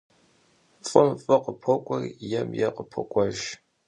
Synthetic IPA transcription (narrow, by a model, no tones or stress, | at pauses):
fʼɨmfʼɐqəpʰɔkʷʼɔrjɛmjɛqəpʰɔkʷʼɐʒ